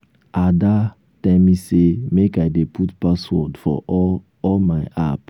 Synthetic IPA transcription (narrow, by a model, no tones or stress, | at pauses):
ada | tɛlmisemekaɪdepʰutpaswɔdfɔ̰ | ɔlmaɪʔap